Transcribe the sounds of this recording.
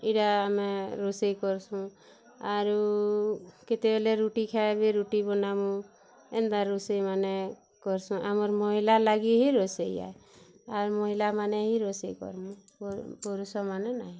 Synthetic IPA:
iɾaːmɛɾusejkɔɾsũ | aɾu | ket̪ebelɛɾuʈikʰabeɾuʈibɔnamu | end̪aɾusejmanɛ | kɔɾsũʔamɔɾmɔɦilalaɡiɦiɾɔseja̰ | aɾmɔɦilamanɛɦiɾɔsejkɔ̰ɾmu | pɔɾusɔmanɛnaɦĩ

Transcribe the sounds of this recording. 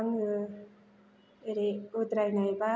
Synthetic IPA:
ŋɯ | eɾeud̪ɾajnajba

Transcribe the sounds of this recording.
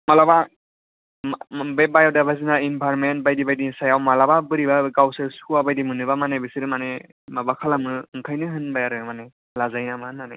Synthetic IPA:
malaba | bebajawdabazinainbʱaɾment̚bajdibajdinsajawmalababɯɾibaɯɡawsɯskuabajdimɯnɯbamanebɯsiɾɯmane | mabakʰalamɯɯŋkʰajnɯɦɯnbajaɾɯnɯmane | lazajnamahɯnːanaj

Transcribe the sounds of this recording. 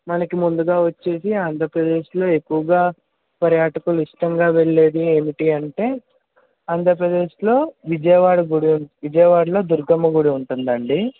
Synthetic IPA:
mɐnɐkimund̪uɡaːʋɐt͡ʃːe̞ːsiaːnd̪ʱɐɾɐpɾɐd̪e̞ːʃlo̞ːe̞kːuʋɐɡaː | pɐɾjaːʈɐkuluiʂʈɐŋɡaːʋe̞ɭːeːɽieːmiʈiːɐɳʈe̞ː | aːnd̪ʱɐɾɐpɾɐd̪e̞ːʃlo̞ːʋid͡ʒɐjɐʋaːɽɐɡuɽiʋid͡ʒɐjɐʋaːɽɐlo̞ːd̪uɾɡɐmːɐɡuɽiuɳʈund̪ɐɳɖi

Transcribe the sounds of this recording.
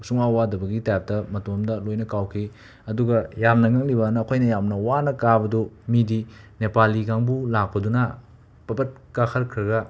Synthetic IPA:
suŋawadɐbɐɡitajp̚tɐmɐtomdɐlojnɐkawkʰi | ɐduɡɐjamnɐŋɐŋlibɐnɐːkʰojnɐjamnɐwanɐkabɐdumidi | nepaliɡaŋbulak̚pɐdunɐ | pɐbɐt̚kakʰɐɾkʰɾɐɡɐ

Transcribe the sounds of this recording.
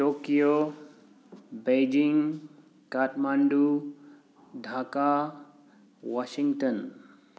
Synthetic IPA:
ʈokijo | bejd͡ʒiŋ | kaʈmãɳɖu | ɖʱaːka | waʃĩŋɡʈən

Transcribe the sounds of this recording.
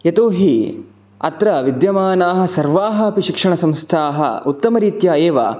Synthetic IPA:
jɐt̪oːɦi | ɐ̰t̪ɾɐʋid̪jɐmaːnaːɦɐ̆sɐɾʋaːɦɐɐpiʃikʂɐɳɐsɐ̃mst̪ʰaːɦɐ̰ut̪ːɐmɐɾiːt̪jaːeːʋɐ̰

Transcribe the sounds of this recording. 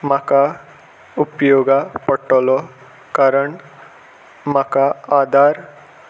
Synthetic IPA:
maka | upjoɡapəʈːɔlɔ | kaɾəɳ | makaad̪ʱaɾ

